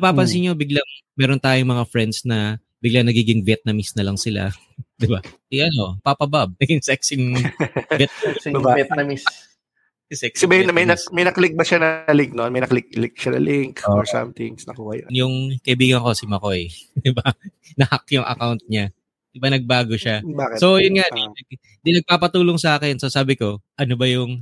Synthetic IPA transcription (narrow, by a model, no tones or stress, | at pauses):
paːpɐnsɪɲo̞bɪɡlaŋmɛːɾont̪aːjoŋmɐŋafɹɛnd̪snɐ | bɪɡlaŋnɐɡiːɡɪŋvjɛt̪̚nɐmɪsnɐlɐŋsɪla̰ | d̪ɪba | ɪʔɐno̞pɐpɐbab̚nɐɡɪŋsɛksɪŋ | vjɛt̪sbbaɛt̪nɐmis | sɛksɐbiːhɛnnɐmɐjnɐmɐjnɐklɪk̚bɐʃanɐlɪŋk̚nonmɐjnɐklɪk̚lɪk̚ʃanɐ̰lɪŋkːɔɹsɐ̰mt̪ɪŋsnɐ̰kuːhɐj̰njʊŋkɐʔɪbiːɡɐnko̞sɪmɐko̞jd̪ɪba | nɐhɐk̚jʊŋʔɐ̰kawnt̪̚ɲa | ʔɪbɐnɐɡ̚baːɡo̞ʃabaːkɪsojʊnŋaʔdiɐ | d̪inɐɡ̚paːpɐt̪uːloŋsɐʔaːkɛnsosaːbɪko̞ʔɐnobɐjʊŋ